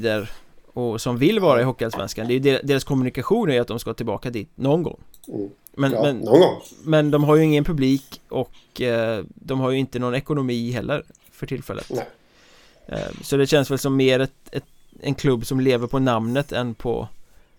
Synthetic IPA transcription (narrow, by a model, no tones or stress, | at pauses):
d̪əɾɔsɔmvɪlːvɑːɾaɪɦɔkːalsvɛ̰nskand̪ɛæjɵd̪eːɾad̪eːɾaskʰɔmɵnɪkaɧuːnæɾjɵat̪̚d̪ɔmskahɑːt̪ɪlbɑ̰ːkad̪iːt̪nɔnɡɔ̰ŋː | mɛnmɛnɔɔmɛnd̪ɔmɦaɾjɵɪŋːənpʰɵbliːkɔk | d̪ɔmɦaɾjɵɪnt̪ənɔnɛkʊnʊmiːɦɛlːəɾ | fœʈʰɪlfɛ̰lːə̰t̪ | sɔd̪ɛɕɛnsvɛlsɔmːeːɾɛt̪ɛt̪ | ɛ̰nkʰlɵbːsɔmleːvəɾpʰɔnamnət̪ʰɛnpʰɔ̰